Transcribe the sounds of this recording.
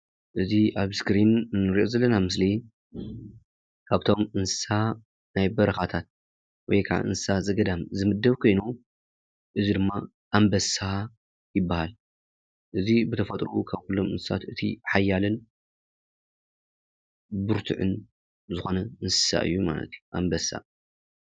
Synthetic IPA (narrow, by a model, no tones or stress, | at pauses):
ʔɨziʔaβskɾinɨnːɨɾiʔo̞zɐlːɐnamɨsli | kʰaβt̪ʰo̞mɨnsɨ̥sa | najbɐɾɐxat̪ʰat̪̚ | wɔ̰jkʰa̰ʕʔɨ̰nssazɐɡɐd̪amzɨmɨd̪ːɐβkʰojnu | ʔɨzid̪ɨmːa | ʔambɐsa | jɪbːahal | ʔɨzibɨt̪ʰɐfɐt̪ʼɾukʰaβkulːo̞mɨ̰nsɨsat̪ɨt̪ʰiħajːalɨn | bɨɾt̪ʰɨ̰ʕɨ̰n | zɨxo̞nɐɨnsɨ̥sa̰ʔɨ̰jːuma̰lɐ̰t̪juʔa̰mbɐsːa̰